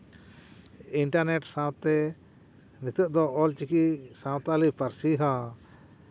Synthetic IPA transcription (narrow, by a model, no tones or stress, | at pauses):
iɳʈaɾnɛʈsãw̃t̪ɛ | nit̪əʔd̪ɔɔlt͡ʃikisãwt̪alipaɾsiɦã